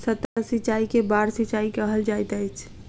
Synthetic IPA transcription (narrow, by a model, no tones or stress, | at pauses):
sət̪ːasit͡ʃaikebaɾsit͡ʃaikəɦəld͡ʒajt̪əjt͡ʃʰ